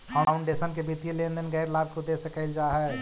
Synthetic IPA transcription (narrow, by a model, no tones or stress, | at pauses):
kaaʊɳɖesənkebit̪ijelẽnd̪ənɡɛːɾlaːɡ̚kod̪esẽkəɪld͡ʒaːɦɛ